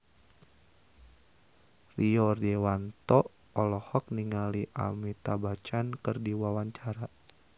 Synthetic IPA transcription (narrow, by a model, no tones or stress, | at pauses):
riɔrdewant̪ɔ | ɔlɔhɔk̚niŋaliʔa̰mit̪abat͡ʃankɨrdiwawaɲt͡ʃaɾa